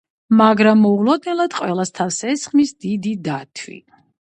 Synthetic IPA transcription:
maɡɾamːɔulˠɔd̪nɛlˠad̪qʼwɛlˠast̪ʰafsɛsχmisd̪id̪id̪at̪ʰwḭ

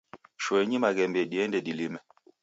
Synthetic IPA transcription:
ʃwɛɲimaɣɛmbɛɗiɛndɛɗilimɛ

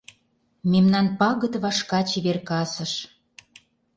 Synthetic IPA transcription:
memnɑnpɑɣə̆t̪βɑʃkɑt͡ɕiβerkɑsə̆ʃ

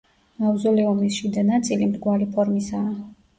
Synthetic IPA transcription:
auzɔlɛɔmisʃid̪anat̪sʼilimɾɡwalipʰɔɾmisaː

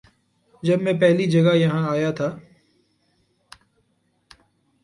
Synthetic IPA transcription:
d͡ʒɐbmẽːpɛɦlid͡ʒɐɡajɐɦãaːjat̪ʰaː

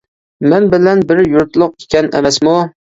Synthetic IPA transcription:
mɛnbɪlɛnbɪɾjuɾt̪lˠʊq̚ʰe̥kʲʰɛnɛ̰mɛsmu

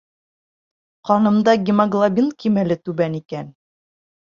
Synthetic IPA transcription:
qɒnɤ̆md̪ɑɡʲɪmaɡlˠabʲinkimælɘt̪ʉbænikæn

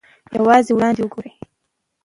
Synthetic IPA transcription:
jawɑziwɽɑnd̪ewəɡoɾe

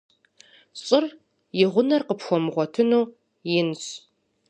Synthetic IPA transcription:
ɕʼɪr | jɪʁʷʊnɐrqəpxʷɔmʁʷɔtʰɨnuː | jɪnɕ

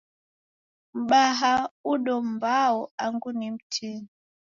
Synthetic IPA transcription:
m̩ɓaɦauɗɔm̩baɔaŋɡunim̩tʰini

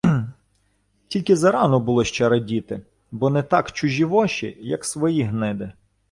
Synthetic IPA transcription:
tʲilʲkɪzɐɾɑnɔbʊlˠɔʃt͡ʃɛɾɐdʲit̪ɪ | bɔnɛt̪ɑkt͡ʃʊʒʲiʋɔʃḭjɐ̰ksʋɔjiɦnɪd̪ɪ

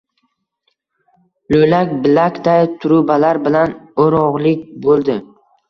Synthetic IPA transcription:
lojlakʲbɪlakʲd̪ajt̪ʰʊɾʊbalaɾbɪlanoɾɒʁlɪkʲbolˠd̪ɪ

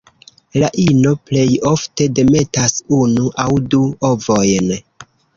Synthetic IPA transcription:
laʔino̞ple̞jo̞fte̞de̞me̞tasunuʔawduovo̞jn

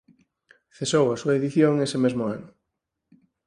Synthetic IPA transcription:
θesowasuaeðiθjoŋesemezmoanʊ

